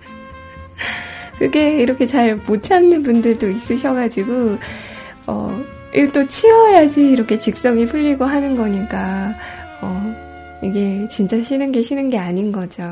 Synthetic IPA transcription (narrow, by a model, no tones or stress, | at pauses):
kɯɡ͈e̞iɾʌkʰe̞t͡ɕaɭmot͡ɕʰanːɯnbundɯɭt͈ois͈ɯɕʰʌɡad͡ʑiɡo | ʌ̰ | it͈ot͡ɕʰiwʌjad͡ʑiːɾʌkʰe̞t͡ɕik̚s͈ʌŋipʰɯʎːiɡoɦanɯnɡʌɲik͈a | ʌ | iɡe̞t͡ɕint͡ɕ͈aɕʰinɯnɡe̞ɕʰinɯnɡe̞aɲinɡʌd͡ʑo